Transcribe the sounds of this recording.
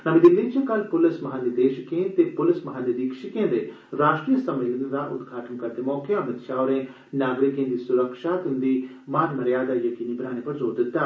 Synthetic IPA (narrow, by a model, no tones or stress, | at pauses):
namĩd̪ɪnd̪ẽːt͡ʃẽkəlpʊlɪsmɐɦaːnid̪eːʃkẽːt̪eːpʊlɪsmɐɦaːned̪iːkʃɪkẽːd̪eː | ɾaːʃʈɾijəsəmeːlənɾaːʔʊ̰d̪ɡʱaːʈənkɐɾt̪eːmɔːkeamɪt̪ʃaːʊɾẽː | naːɡɾɪkẽːnd̪iːsʊɾəkʃaːt̪ɪ̃nd̪iːmaːnməɾjaːd̪aːjəkiːniːbənaːñepɐɾzoːɾd̪ɪt̪ːaː